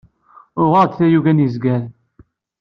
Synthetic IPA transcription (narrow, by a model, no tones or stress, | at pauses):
ʊʁɑɾd̪θæjuɡænjizɡæɾ